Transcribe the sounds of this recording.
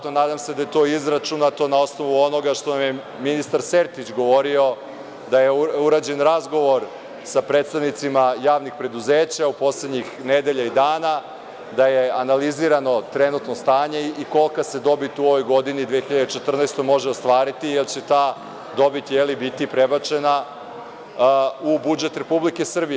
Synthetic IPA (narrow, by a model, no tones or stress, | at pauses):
onaːd̪amse̞d̪aje̞t̪o̞ːizɾat͡ʃunat̪o̞nao̞sno̞ʋuo̞no̞ɡaʃt̪onamje | minist̪aɾseɾt̪it͡ɕɡo̞ʋo̞ɾio̞ | d̪ajeuɾaːd͡ʑe̞nɾazɡo̞ʋo̞ɾ | sapɾe̞t̪st̪aʋnit̪simajaːʋnixpɾe̞d̪uzeːt͡ɕaupo̞sled̪ɲixne̞d̪e̞ʎaid̪aːna | d̪ajeanaliziɾano̞t̪ɾe̞nut̪nost̪aːɲe̞iko̞lˠkase̞d̪o̞bit̪uo̞ʋo̞jɡo̞d̪inid̪ʋeːxiʎad̪et͡ʃet̪r̩najst̪o̞jmo̞ʒeo̞st̪ʋaːɾit̪ijelt͡ɕet̪aː | d̪o̞bit̪jelibit̪ipɾebat͡ʃe̞na | ubud͡ʒe̞t̪ɾe̞publike̞sr̩bie